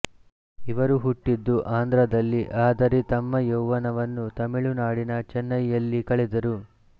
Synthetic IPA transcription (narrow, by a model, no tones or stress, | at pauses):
iʋɐɾuɦuʈːid̪ːuʔaːnd̪ɾɐd̪ɐlːiʔaːd̪ɐɾet̪ɐmːɐjowʋɐnɐʋɐnːut̪ɐmiɭunaːɽinɐt͡ʃɛnːɐjːɐlːikɐɭɛd̪ɐɾu